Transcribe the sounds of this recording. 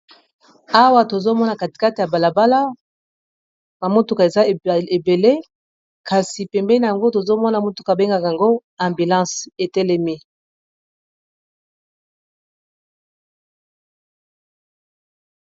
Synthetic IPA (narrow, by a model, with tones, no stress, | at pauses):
a˦wa˨to˨zo˦mɔ˦na˨ka˨ti̥˨ka˦te˨ja˨ba˨la˨ba˦la˦ | na˨mo˦tu˦ka˨e˨za˦˨e˨be˨le˦ | ka˨si˨pɛ˨mbɛ˦na˨ja˨ŋɡo˦to˨zo˦mɔ˦na˨mo˦tu˨ka˨be˦ŋɡa˨ka˨ŋɡo˦ɛ˨mbi˨lɑ̃˦se˨tɛ˦lɛ˦mi˦